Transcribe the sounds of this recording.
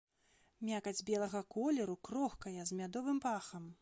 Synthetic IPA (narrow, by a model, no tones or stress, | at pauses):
mʲakɐd͡zʲbʲɛlˠɐɣɐkɔlʲɛɾukɾɔxkɐjɐzmʲad̪ɔvɨmpaxɐm